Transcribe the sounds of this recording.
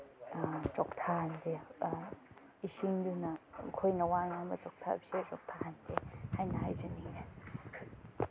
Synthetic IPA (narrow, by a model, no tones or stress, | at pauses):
t͡ʃɔk̚t̪ʰahande | isiŋdunɐkʰojnɐwaŋamɐt͡ʃɔk̚tʰa̰biset͡ʃɔk̚tʰahandehajnɐɦajzanie